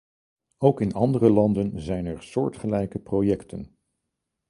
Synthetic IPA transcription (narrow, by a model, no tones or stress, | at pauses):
owkɪnɑndərəlɑndənzɛjnɛɹsʊːɹtχəlɛjkəprojɛktʰən